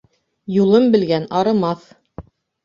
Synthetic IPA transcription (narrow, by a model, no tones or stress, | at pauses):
julˠɤmbɘ̆lɡænɑɾɤ̆mɑθ